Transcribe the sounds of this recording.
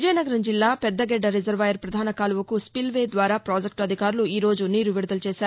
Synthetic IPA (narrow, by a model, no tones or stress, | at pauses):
ʋid͡ʒɐjnɐɡɐɾɐɲd͡ʒilːaːpɛd̪ːɐɡɛɖːɐɾizɐɾʋɐjɐɾpɾɐd̪ʱaːnɐkaːluʋɐkuspilʋeːd̪ʋaːɾaːpɾaːd͡ʒɐk̚ʈɐd̪ʱikaːɾuluiːɾo̞ːd͡ʒuniːɾuʋiɽud̪ɐlut͡ʃɛːʃaːɾu